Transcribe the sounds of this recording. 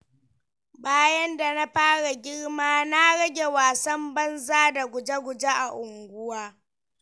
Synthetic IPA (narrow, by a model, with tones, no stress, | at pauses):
baː˦jɐ˦nda˨na˦ɸaː˦ɽa˨ɡʲɪ˦ɽmaː˦na˦ɽɐ˦ɡʲe˨waː˨sɐ˦mbɐ˦nzaː˦da˨ɡʷʊ˨d͡ʒe˦ɡʷʊ˨d͡ʒe˦ʔa˨ʔʊ˨ŋɡʷʊ˦waː˦